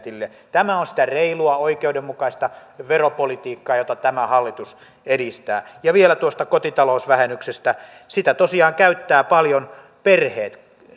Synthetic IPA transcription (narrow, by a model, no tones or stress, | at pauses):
t̪ilːe | t̪æmæonsi̥t̪æreiluɑoikeudemmukɑist̪ɑʋeropolit̪iːkːɑːjot̪ɑt̪æmæhɑlːit̪us | edist̪æ̰ːjɑʋielæt̪uost̪ɑkot̪it̪ɑlousʋæhenːyksest̪æ | sit̪æt̪osiɑːŋkæyt̪ːæːpɑljon | perheːt̪